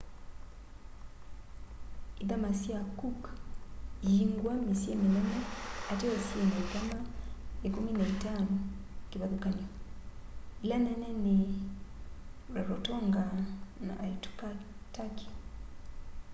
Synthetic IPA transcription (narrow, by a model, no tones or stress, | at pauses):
iðamasiakuk | jiŋɡwamisiemilanaateosienaikamaekuminaitanokiβaðukaniɔ | ilanɛnɛni | ɾaɾotɔŋɡana̰ʔːitu̥kataki̥